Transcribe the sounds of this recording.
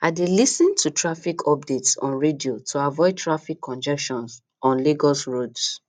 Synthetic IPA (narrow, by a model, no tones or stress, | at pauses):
aɪdelisĩntʰutʰɹafikʰɔp̚detsɔ̰̃nɹediotʰoavɔɪd̚tʰɹafikʰːɔ̃nd͡ʒɛkʃɔ̃ns | ɔ̃nliɡɔsɹods